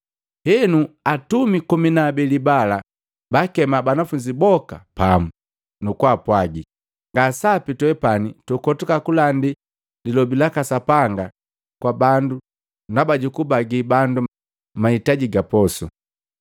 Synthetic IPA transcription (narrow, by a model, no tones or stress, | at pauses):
hɛnuatumikuminaːbilibala | bakɛmabanafuɲd͡ʒibɔka̰pamu | nukwaːpwaɡi | ŋɡasapitwɛpanitukɔtukakulandi | lilɔbilakasapaŋɡa | kwabandu | nabaɟukubaɡibandu | maitaɟiɡapɔsu